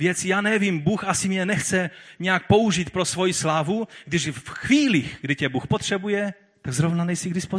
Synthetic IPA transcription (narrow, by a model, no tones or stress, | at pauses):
vjɛt͡sijaːnɛvimbuːxʔasimɲɛnɛxt͡sɛɲɛjak̚pouʒit̪̚pɾosvojislaːvuɡdɪʒfxviːliɣɡdɪcɛbuːxpot̪r̝̥ɛbujɛ | t̪aɡzɾovnanɛjsiɡdɪspo